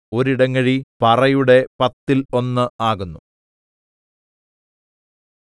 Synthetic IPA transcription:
o̞ɾiɽɐŋːɐɻipɐrɐjuɽe̞pɐt̪ːilo̞nːɨaːɣunːu

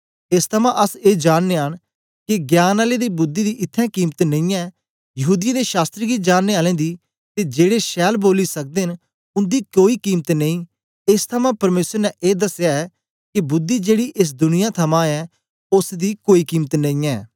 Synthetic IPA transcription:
ɪst̪ʰəmãʔɐseːd͡ʒaːnnːeaːɽ̃ | kiɡjaːnaːled̪iːbʊd̪ːiːd̪iʔɪt̪ʰːɛ̃ːkiːmt̪nə̃ĩːɛː | jɐɦuːd̪ɪjãːd̪eːʃaːst̪ɾiɡid͡ʒaːnːeaːlɛ̃ːd̪iː | t̪ed͡ʒeːɽeʃɛːlboːlisək̚d̪eːn | ʊ̃nd̪iːkoːiːkiːmət̪nẽĩː | ɪst̪ʰəmãːpɐɾmeːsəɾnɛʔeːd̪ɐsjaːɛː | kibʊd̪ːiːd͡ʒeːɽiʔɪs̬d̪ʊnɪjãt̪ʰɐmãɛː | ʊsd̪iːkoːiːkiːmət̪nɐ̃ĩːɛː

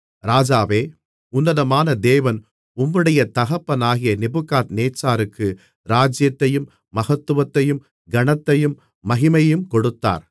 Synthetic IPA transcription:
ɾaːd͡ʒaːʋeː | ʊnːɐðɐmaːnɐd̪eːʋɐn | ʊmːɯɽɐjɐt̪ɐɣɐpːɐnaːɣɪjɐnɪbɯkːaːt̪neːt͡ʃːaːɾɯkːɯ | ɾaːd͡ʒjɐt̪ːɐjɯmː | ɐɣɐt̪ːɯʋɐt̪ːɐjɯm | ɡɐɳɐt̪ːɐjɯmː | ɐɣɪmɐjɯmkɔɽɯt̪ːa̰ːɾ

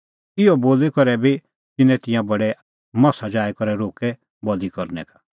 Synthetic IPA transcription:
ɪɔboːlikɔɾɛbi | t̪ɪnɛ̃t̪ɪ̃jãbɐɽɛ | mɐsad͡ʒaːɛkɔɾɛɾoːkɛ | bɔlikɔɾnɛ̰kḁ

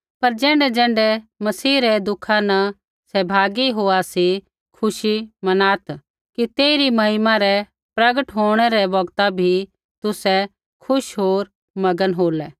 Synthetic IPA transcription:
pɐɾd͡ʒɛ̃ːɳɖɛd͡ʒɛ̃ːɳɖɛmɐsiːɾɛd̪ʊkʰanɐ | sɛbʱaːɡiɦoːasi | kʰʊʃimɐnaːt̪ | kit̪eːɾimɐɦɪmãɾɛ | pɾɐɡəʈɦoːɽ̃ɛɾɛbɐɡt̪abʱi | t̪ʊsɛ | kʰʊʃɦoːɾ | mɐɡənɦoːlɛː

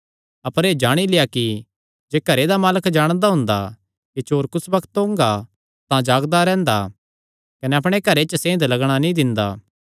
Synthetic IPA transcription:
ɐpəɾeːd͡ʒaːɽ̃ilɪjaki | d͡ʒeːkɐɾed̪amaːləkd͡ʒaːɽ̃d̪aɦʊ̃nd̪a | kit͡ʃoːɾkʊsbɐkʰt̪õːŋɡa | t̪ãd͡ʒaːɡd̪aɾɛ̃ːnd̪a̰ | kɐnɛɐp̬ɽ̃ekɐɾet͡ʃəsẽːɪ̃d̪lɐɡɽ̃anĩd̪ɪ̃nd̪aː

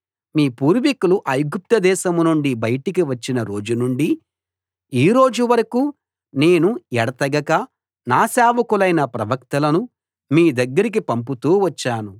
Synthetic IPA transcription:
miːpuːɾʋikuluʔɐjɡup̚t̪ɐd̪ɛːʃɐmunuɳɖibɐjɐʈikiʋɐt͡ʃːinɐɾo̞ːd͡ʒunuɳɖi | iːɾo̞ːd͡ʒuʋɐɾɐkuː | ne̞ːnuɛɽɐt̪ɐɡɐkɐ | naːsaːʋɐkulɐjnɐpɾɐʋɐkt̪ɐlɐnu | miːd̪ɐɡːɐɾik̬ipɐmp̬ut̪uːʋɐt͡ʃːaːnu

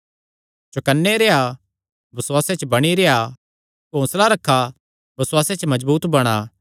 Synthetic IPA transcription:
t͡ʃokənːeɾea | bɐswaːset͡ʃbɐɽ̃iɾea | kõːslaɾɐkʰːa | bɐswaːset͡ʃmɐd͡ʒbuːt̪bɐɽ̃aː

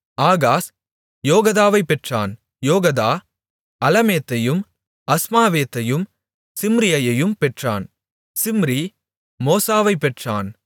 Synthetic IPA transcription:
aːɣaːs | joːɣɐðaːʋɐɪpːɛʈra̰ːn | joːɣɐðaː | ɐlɐmeːt̪ːɐjɯm | ɐsmaːʋeːt̪ːɐjɯm | sɪmɾɪjɐjɐjɯmpɛʈra̰ːn | sɪmɾi | moːsaːʋɐɪpːɛʈra̰ːn

